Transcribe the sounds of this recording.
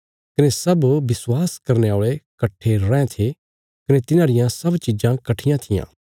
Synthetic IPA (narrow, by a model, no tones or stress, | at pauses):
kɐnesɐbʋɪswaːskɐɾneoːɭekɐʈʰːeɾɛ̃t̪ʰe | kɐnet̪ɪnãːɾɪjãsɐbt͡ʃɪd͡ʒãkɐʈʰɪjãt̪ʰɪjã̰ː